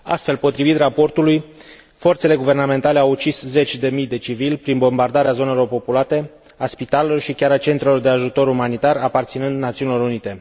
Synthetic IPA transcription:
a̰st̪fe̞lpo̞t̪ɾivit̪rapo̞rt̪uluj | fo̞rt̪se̞le̞ɡuve̞rname̞nt̪ale̞awut͡ʃisze̞t͡ʃʲd̪e̞mijd̪e̞t͡ʃivilʲpɾinbo̞mbard̪aɾeazo̞ne̞lo̞rpo̞pulat̪e̞ | aspit̪ale̞lo̞rʃikʲaɾat͡ʃe̞nt̪ɾelo̞rd̪e̞aʒut̪o̞ɾumanit̪arapart̪sinɨnd̪nat̪siunilo̞ɾunit̪e̞

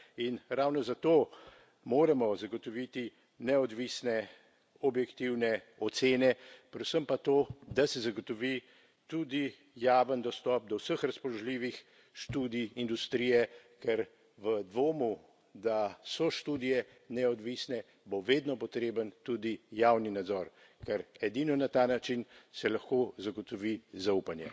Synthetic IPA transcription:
inɾawnɔzat̪oː | moːɾɛmɔzaɡɔt̪ɔʋit̪i | nɛɔd̪ʋisnɛ | ɔbjɛkt̪iwnɛ | ɔt̪seːnɛpɾɛd̪səmpat̪oːd̪asɛzaɡot̪ɔʋi | t̪ud̪i | jaːʋənd̪ɔst̪ɔp̚d̪ɔwsəxɾaspɔlɔʒliʋix | ʃt̪uːd̪iind̪ust̪ɾijɛkɛɾ | ʋəd̪ʋoːmu | d̪asɔʃt̪uːd̪ijɛ | nɛɔd̪ʋiːsnɛ | boʋeːd̪nɔpɔt̪ɾeːbənt̪ud̪ijaːwninad̪zɔɾ | kɛɾɛd̪iːnɔnat̪aːnat͡ʃinsɛlaxkozaɡɔt̪ɔʋizaupanjɛ̰

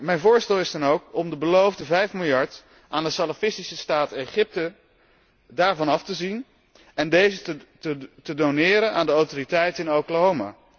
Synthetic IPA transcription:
mɛjnvʊːɹstɛlˠɪsdɑnowkɔmdəbəlowvdəvɛjfmɪlˠjɑɹt | ʔaːndəsalafɪstisəstaːtejχɪp̚tə | daːɹvɑnɑftəzin | ɛndejzə | ətədonɪːɾənaːndəowtoːritɛjtɪnowkələɦoma̰

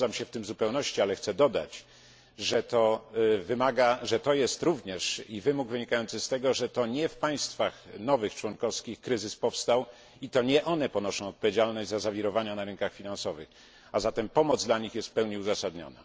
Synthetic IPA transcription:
amɕɛft̪ɘmzupɛwnɔɕt͡ɕialɛxt̪sɛd̪ɔd̪a̰t͡ɕ | ʐɛt̪ɔvɘmaɡaʐɛt̪ɔjɛst̪ɾuvɲɛʂivɘmuɡvɘɲikajɔnt̪sɘst̪ɛɡɔʐɛt̪ɔɲɛfpaj̃st̪faxnɔvɘxt͡ʂwɔnkɔfskʲixkɾɘzɘspɔfst̪aw | it̪ɔɲɛʔɔnɛpɔnɔʂɔ̃w̃ɔt̪̚pɔvʲjed͡ʑalnɔʑd͡ʑʲzazavʲiɾɔvaɲanaɾɘnŋkaxfʲinansɔvɘ̰x | azat̪ɛmpɔmɔd̪zd̪laɲixjɛst̪pɛwɲɛuzasad̪ɲɔ̰na̰

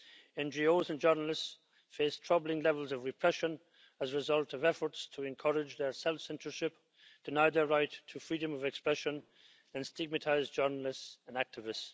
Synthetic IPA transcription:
ɛ̃nd͡ʒioʊzə̃nd͡ʒɜ˞nəl̩ɪsts | feɪstʰɹ̥ʌblˠɪ̃ŋlɛvəlˠzʌvɹɨpʰɹ̥ɛʃə̃n | əzɹɪzʌlˠtʌvɛfə˞tstʰəɛ̃nkʰʌɹɪd͡ʒðə˞sɛlˠfsɛ̃ntə˞ʃɪp | d̥ɨnaɪðə˞ɹaɪtʰːəfɹiɾə̃mʌvɛkspɹɛʃə̃n | ə̃nstɪɡ̚mətʰaɪzd͡ʒɜ˞nəl̩ɪstsə̃næk̚tʰɨvɪst

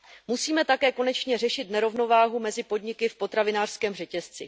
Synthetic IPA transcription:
musiːmɛt̪akɛːko̞nɛt͡ʃɲɛr̝ɛʃɪt̪nɛɾo̞vno̞vaːɦumɛzɪpo̞dɲɪkɪfpo̞t̪ɾavɪnaːr̥skɛːmrɛcɛst͡sɪ̰

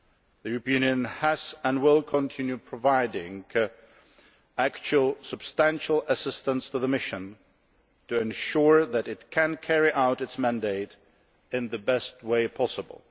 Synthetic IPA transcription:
ðijʉɹəpĩʉ̃njɨ̃nəzə̃nwɪlˠkʰə̃ntʰɪ̃njʉpʰɹ̥əvaɪdɪ̃ŋ | ækt͡ʃul̩ˠsəb̥stæ̃nʃl̩ˠəsɪstə̃nstʰəðəmɪʃɨ̃n | tʰɨɨ̃nʃʊɹðɨɾɨt̚kʰɨ̃nkʰɛɹiʔaʊɾɨtsmæ̃ndeɪɾ | ɨ̃nðɨbɛst̚weɪpʰɑsəbə̰lˠ

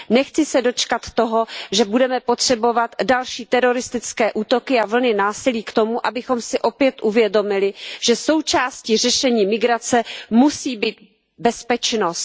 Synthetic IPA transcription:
nɛxt͡sɪsɛdo̞t͡ʃkat̪ːo̞ɦo̞ʒɛbudɛmɛpo̞t̪r̝̥ɛbo̞vat̪dalʃiːt̪ɛɾo̞ɾɪst̪ɪt͡skɛːʔuːt̪o̞kɪavl̩nɪnaːsɪliːkt̪o̞muʔabɪxo̞msɪʔo̞pjɛt̪ʔuvjɛdo̞mɪlɪʒ̥ɛso̞wt͡ʃaːscir̝ɛʃɛɲiːmɪɡɾat͡sɛmusiːbiːt̪̚ | bɛspɛt͡ʃnost̪

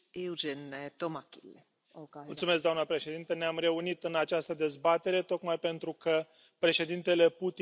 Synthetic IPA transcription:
eud͡ʒent̪omakḭle | ult̪sumesk̚d̪oamnəpɾe̞ʃe̞d̪int̪əneamre̞unit̪ɨnat͡ʃast̪əd̪e̞zbat̪e̞ɾe̞t̪o̞kmajpe̞nt̪ɾukə | pɾe̞ʃe̞d̪int̪e̞le̞put̪i

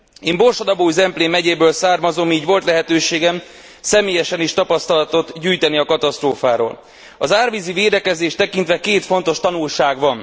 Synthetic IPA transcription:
eːmbo̞rʃɒd̪ɒboːjzɛmpleːmɛɟeːbøːlsaːrmɒzo̞miːɟvo̞lt̪lɛɦɛt̪øːʃeːɡɛm | sɛmeːjɛʃɛniʃt̪ɒpɒst̪ɒlɒt̪o̞t̪ɟyːjt̪ɛniɒkɒt̪ɒst̪roːfaːɾo̰ːl | ɒzaːrviziveːd̪ɛkɛzeːʃt̪ɛkint̪vɛkeːt̪fo̞n̪t̪o̞ʃt̪ɒnulʃaːɡʋɒn

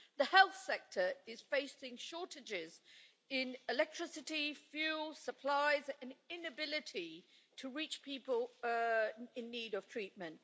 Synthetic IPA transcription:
ðəhɛlˠθsɛk̚tʰə˞ɪz̥feɪsɪ̃ŋʃɔˑtɪd͡ʒɪz | ɪ̃nɪlɛk̚tʰɹ̥ɪsɪtifjʉːlˠsəpʰl̥aɪzə̃nɪ̃nəbɪlɪtʰi | tʰəɹiˑt͡ʃpʰipəlˠ | ɪ̃nːiːɾəv̥tʰɹ̥iˑʔ̚mə̃nʔ

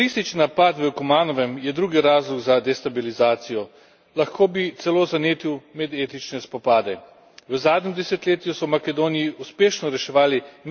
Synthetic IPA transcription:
ɾist̪it͡ʃninapat̪ʋəkumaːnɔʋɛmjɛd̪ɾuːɡiɾaːzlɔɡzad̪ɛst̪abilizaːt̪sijɔ | laxkoːbit̪sɛloːzaneːt̪iwmɛd̪eːt̪it͡ʃnɛspɔpaːd̪ɛ | ʋəzaːd̪ɲʲɛmd̪ɛsɛt̪leːt̪jusɔwmakɛd̪oːnijiuspeːʃnɔɾɛʃɛʋaːli

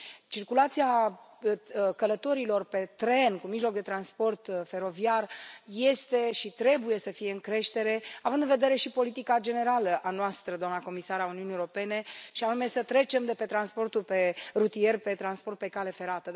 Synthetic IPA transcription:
t͡ʃirkulat̪sia | kələt̪o̞ɾilo̞rpe̞t̪ɾe̞nkumiʒlo̞k̚d̪e̞t̪ɾanspo̞rt̪fe̞ɾo̞viarje̞st̪e̞ʃit̪ɾe̞buje̞səfije̞ɨŋkɾe̞ʃt̪e̞ɾe̞avɨnd̪ɨnve̞d̪eɾe̞ʃipo̞lit̪ikad͡ʒe̞ne̞ɾaləʔanoast̪ɾəd̪oamnako̞misaɾauniunijeoɾo̞pe̞ne̞ʃianume̞sət̪ɾe̞t͡ʃe̞md̪e̞pe̞t̪ɾanspo̞rt̪ulpe̞rut̪ie̞rpe̞t̪ɾanspo̞rt̪̚pe̞kale̞fe̞ɾat̪ə

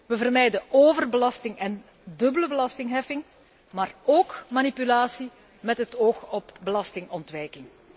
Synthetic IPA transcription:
ʋəvərmɛjdəoːvərbəlɑstɪŋɛn | dɵbələbəlɑstɪŋɦɛfɪŋ | maːroːkmaːnipylaːsi | mɛtɦətoːxɔbbəlɑstɪŋɔntʋɛjkɪŋ

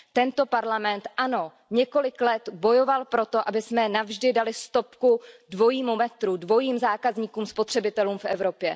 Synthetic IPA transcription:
t̪ɛnt̪o̞paɾlamɛnt̪ʔano̞ | ɲɛko̞lɪklɛt̪bo̞jo̞valpɾo̞t̪o̞ʔabɪsmɛnavʒdɪdalɪst̪o̞pkudvo̞jiːmumɛt̪ɾudvo̞jiːmzaːkazɲiːkuːmspo̞t̪r̝̥ɛbɪt̪ɛluːmfʔɛvɾo̞pjɛ

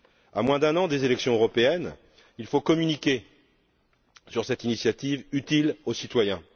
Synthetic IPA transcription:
amwɛ̃d̪ɛ̃nɑ̃d̪ezelɛksjɔ̃øʁɔpeɛn | ilfokɔmynikʲe | syʁsɛt̪inisjat̪ivyt̪ilosit̪wajɛ̃

